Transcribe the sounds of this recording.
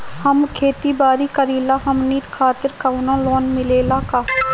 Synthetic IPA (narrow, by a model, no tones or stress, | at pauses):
həmkʰeːt̪iːbaːɾiːkəɾiːlaːɦəmniːt̪kʰaːt̪ɪɾkaːʊnãːloːnmɪleːlaːkaː